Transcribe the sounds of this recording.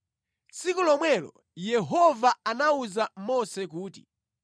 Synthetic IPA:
t͡sʰikulɔmwɛlɔ̰ | jɛɦɔvaanauzamɔsɛkuːtḭ

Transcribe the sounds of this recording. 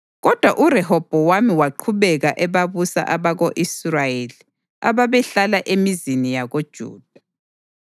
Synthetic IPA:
ɣɔd̥ʱwaʔurɛhɔb̥ʱɔwamiwaǃʰuβɛɣaʔɛβaβusa̰ʔaβaɣoʔisrajeli | a̰βaβɛɬalaʔemizinijaɣod̥ʒ̥ʱṵːd̥̚ʱa

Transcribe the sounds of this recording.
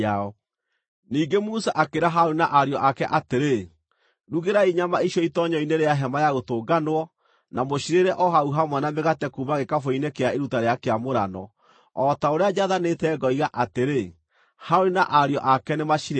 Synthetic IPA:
aɔ | niːɡemusaʔakeɾaɦaoɾinaʔaɾeɔʔakɛʔateɾe | ɾuɣeɾaiɲamaiʃjɔitɔɲɔineɾeaɦɛmajaɣotoːɡanwɔ | namoɕiɾeɾɛʔɔɦauɦamwanameɣatɛkuːβaɣekafoinekeaeɾutaɾeakeamoɾa̰nɔ̰ | ɔtaoɾead͡ʑaðanetɛːɡɔiɣaʔateɾe | haoɾinaʔaɾeɔʔakɛnemaʃiɾ

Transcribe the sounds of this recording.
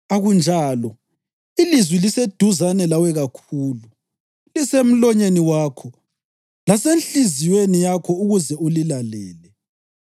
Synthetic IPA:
aɣund͡ʒʱaːlɔ | ilizwilised̥ʱuzanɛlawɛɣakʰuːlu | lisem̩lɔɲeniwaːkʰɔ | lasenɬizijwenijakʰɔuɣuzɛulilalɛːlɛ

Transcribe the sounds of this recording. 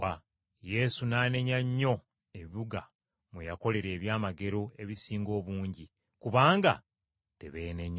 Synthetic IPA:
a | je̞ːsunaːne̞ɲaɲːo̞ | eβiβuɡa | mujako̞le̞ɾe̞ːβjaːmaɡe̞ɾo̞e̞βisiːŋɡo̞ːβuːɲɟi | kuβaːŋɡa̰ | te̞̰βeːneɲ

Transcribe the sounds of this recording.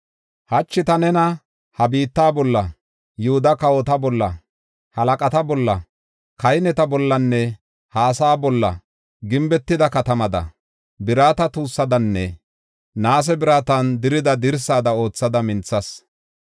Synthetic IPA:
hɐt͡ʃːɪt̪ɐnɛnɐ | hɐbiːt̪ːaːbɔlːɐ | jʊhʊd̪ɐkɐwɔt̪ɐbɔlːɐ | hɐlɐkʼɐt̪ɐbɔlːɐ | kɐjnɛt̪ɐbɔlːɐnːɛ | haːsaːbɔlːɐ̰ | ɡɪmbɛt̪ːɪd̪ɐkɐt̪ɐmɐd̪ɐ̰ | bɪɾaːt̪ɐt̪uːsːɐd̪ɐnːɛ̰ | naːs̬ɛbɪɾaːt̪ɐnd̪ɪɾɪd̪ɐd̪ɪɾsaːd̪ɐo̞ːt͡sːɐd̪ɐmɪnt͡sːɐs

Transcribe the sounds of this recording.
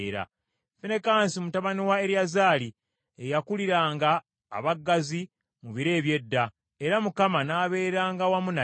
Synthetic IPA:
ɾa̰ | fene̞kaːnsimutaβaniwae̞ɾjazaːli | ejakuliɾaːŋɡa̰ː | βaɡːazi | muβiɾe̞ːβje̞dːa | eɾamukamanaːβe̞ːɾaːŋɡawamuna

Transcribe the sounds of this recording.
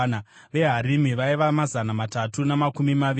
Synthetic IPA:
n | ʋe̞ɦaɾimiʋaiʋamazanamatatunamakumimaʋ

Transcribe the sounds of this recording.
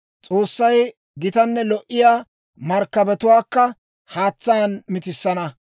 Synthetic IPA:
t͡sʼoːsːɐj | ɡɪt̪ɐnːɛlɔʔɪjaː | mɐɾkːɐbɛt̪ʊwaːkːɐ | haːt͡sːaːnmɪt̪ɪsːɐnɐ

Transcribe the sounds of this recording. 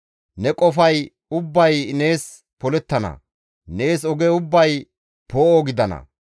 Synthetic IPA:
nɛkʼɔfɐj | ʊbːɐjne̞ːs | pɔlɛt̪ːɐnɐ̰ | ne̞ːsɔɡeʊbːɐj | poːʔɔɡɪd̪ɐnɐ̰

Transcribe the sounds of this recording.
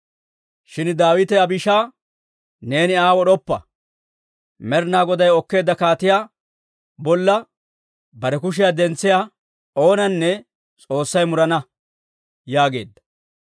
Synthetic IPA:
ʃɪnd̪aːwɪt̪ɛɐbɪʃaː | ne̞ːnɪaːwɔɗɔpːɐ̰ | mɛɾnaːɡɔd̪ɐjɔkːe̞ːd̪ːɐkaːt̪ɪjaː | bɔlːɐ | bɐɾɛkʊʃ̬ɪjad̪ɛnt͡sːɪjaː | o̞ːnɐnːɛ | t͡sʼo̞ːsːɐjmʊɾɐnɐ | jaːɡe̞̰ːd̪ːɐ̥

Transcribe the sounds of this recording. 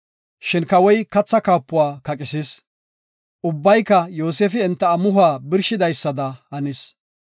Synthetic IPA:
ʃɪnkɐwɔjkɐt͡sːɐkaːpːʊwaːkɐkʼɪsɪs | ʔʊbːɐjkːɐjoːseːfɪɛnt̪ːɐːmʊɦaːbɪɾʃɪd̪ɐjsːɐd̪ɐhɐnɪs

